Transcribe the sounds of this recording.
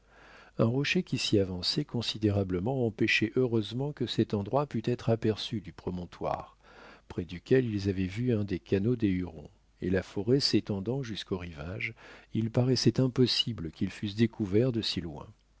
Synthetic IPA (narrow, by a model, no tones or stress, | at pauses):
ɛ̃ʁɔʃekʲisiavɑ̃sɛkɔ̃sid̪eʁabləmɑ̃ɑ̃peʃɛʔøʁøzmɑ̃kəsɛt̪ɑ̃d̪ʁwapyt̪ɛt̪χapɛʁsyd̪ypχɔmɔ̃t̪wa̰ʁ | pχɛd̪ykʲɛlilzavɛvyɛ̃d̪ekanod̪eyʁɔ̰̃ | ḛlafɔʁɛset̪ɑ̃d̪ɑ̃ʒyskoʁivaʒilpaʁɛsɛt̪ɛ̃pɔsibləkʲilfys̬d̪ekʰuvɛʁd̪əsilwɛ̰̃